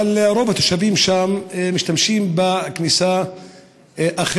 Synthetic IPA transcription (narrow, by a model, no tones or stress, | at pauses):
alɾo̞vat̪oʃavimʃamemiʃt̪amʃimbaknisa | ʔaχ